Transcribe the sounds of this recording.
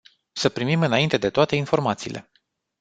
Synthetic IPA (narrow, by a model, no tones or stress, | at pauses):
səpɾimimɨnaint̪e̞d̪e̞t̪oat̪e̞info̞rmat̪siːlʔe̞̰